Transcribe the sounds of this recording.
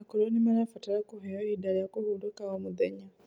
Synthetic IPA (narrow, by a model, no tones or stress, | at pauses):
akɔlɔnimanafatalakuɦɛɔidalijakuɦudukaɔmuðɛ̰ɲa